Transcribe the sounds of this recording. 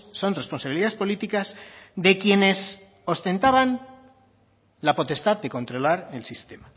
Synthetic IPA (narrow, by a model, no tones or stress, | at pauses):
so̞nre̞spo̞nsaβiliðaespo̞lit̪ikazd̪e̞kje̞ne̞s | o̞st̪e̞nt̪aβan | lapo̞t̪e̞st̪aðd̪e̞ko̞nt̪ɾo̞laɾe̞lsist̪e̞ma